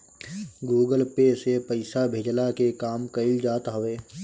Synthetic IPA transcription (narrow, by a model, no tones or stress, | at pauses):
ɡuːɡəlpesepəɪsabʱeːd͡ʒlakekaːmkəɪld͡ʒaːt̪ɦəʋeː